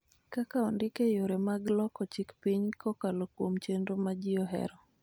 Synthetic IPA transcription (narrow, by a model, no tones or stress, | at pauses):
kakaɔndɪkejoɾemaɡlɔkɔt͡ʃikpiɲkɔkalokwomt͡ʃendomad͡ʒɪɔɦɛ̰ɾɔ